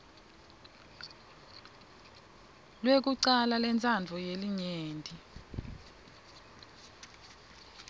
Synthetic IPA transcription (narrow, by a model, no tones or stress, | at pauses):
lwek̬uǀalalɛnt͡sʼʰand͡vʱɔjeliɲeːndʱʼi